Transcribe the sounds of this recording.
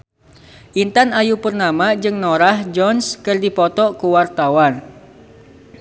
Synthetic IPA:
ʔint̪anajupərnamad͡ʒɨŋnoɾahd͡ʒɔnskɨrdipɔt̪ɔkuwart̪awan

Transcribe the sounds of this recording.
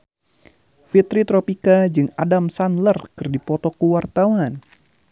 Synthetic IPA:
fit̪ɾit̪ɾɔpikad͡ʒɨŋa̰damsanlərkɨrdipɔt̪ɔkuwart̪awan

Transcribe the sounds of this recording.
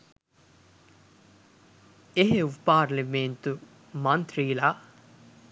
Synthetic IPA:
eɦeʋpaːɾliment̪u | mɐnt̪ʰɾiːla

